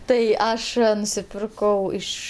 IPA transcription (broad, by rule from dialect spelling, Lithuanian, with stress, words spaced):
tɐɪ ˈɐʃ nʊsʲɪˈpʲɪrkɐʊ ˈɪʃ